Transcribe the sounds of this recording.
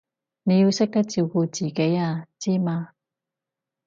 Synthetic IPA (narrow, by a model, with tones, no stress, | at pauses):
ne˨˧jiː˧wsɪ˥k̚t̪ɐ˥k̚t͡siː˧wko˧t͡siː˨ke˨˥jaː˧t͡siː˥maː˧